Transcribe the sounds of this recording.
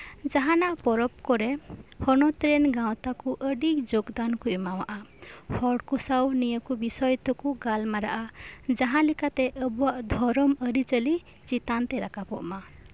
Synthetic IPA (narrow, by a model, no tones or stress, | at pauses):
d͡ʒaɦãnaʔpɔɾɔp̚kɔɾehɔnɔt̪ɾenɡaw̃t̪akuʔəɖikd͡ʒoɡd̪ankuimawa̰ʔahʰɔɖkusawnijɔkubisɔjt̪ɔkuɡalmaɾa̰ʔad͡ʒaɦãlikat̪eʔəbuaʔd̪ʱɔɾɔməɾit͡ʃəli | t͡ʃit̪ant̪eɾakapɔ̰ʔma